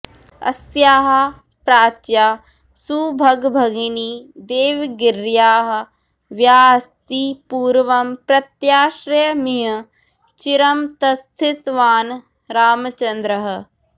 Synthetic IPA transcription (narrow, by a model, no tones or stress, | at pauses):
ɐ̰sjaːɦɐ̆ | pɾaːt͡ʃjaː | suːbʱɐɡbʱɐɡiniːd̪eːʋɡɪɾjaːɦɐ̆ | ʋjaːst̪iːpuːɾʋɐmpɾɐt̪jaːʃɾjmiɦɐ | t͡ʃiɾɐmt̪ɐst̪ʰɪt̪ʋaːn | ɾaːmɐt͡ʃɐnd̪ɾɐɦɐ̆